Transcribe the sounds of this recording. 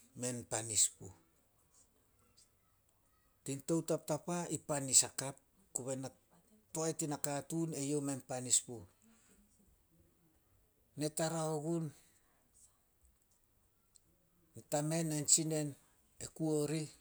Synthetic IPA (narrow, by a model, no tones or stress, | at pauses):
me̞npanispṵ | tinto̞wtap̚tapaipanisakap̚ | kuβena | toajtinakatune̞jo̞me̞npanispu | e̞taɾaoɡun | tame̞nant͡ʃine̞n | ekuo̞ɾi